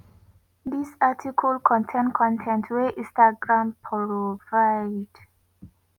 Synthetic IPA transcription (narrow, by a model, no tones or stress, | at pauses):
d̪isatʰikʰɔlkʰɔ̃ntʰẽnkʰɔ̃ntʰɛ̃ntʰweʔĩstaɡɹãmpʰɔvaɪd̥